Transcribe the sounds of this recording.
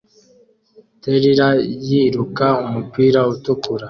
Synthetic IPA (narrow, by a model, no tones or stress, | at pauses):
teɾiɾajiɾukaumupiːɾautukuɾa